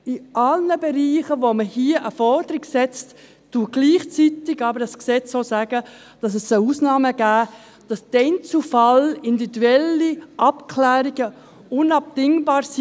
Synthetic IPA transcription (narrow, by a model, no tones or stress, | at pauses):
ɪʔɑlnəbeɾiːχəvoməhiəʔəfɔrd̥əɾɪɡsɛt͡st | tuːɡ̥liːχt͡sitɪɡɑːbəɾɑsksɛt͡sosæɡə | d̥ɑs̬ɛsəuːsnɑːməɡ̥æː | d̥ɑsd̥ɛnt͡sufɑlindividuɛliʔɑpkʰlæːɾiɡə | ʊnɑp̚d̥ɪŋbɑːɾs